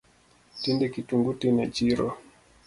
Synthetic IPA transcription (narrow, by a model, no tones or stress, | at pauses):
tindɛkituŋɡutinat͡ʃiɾɔ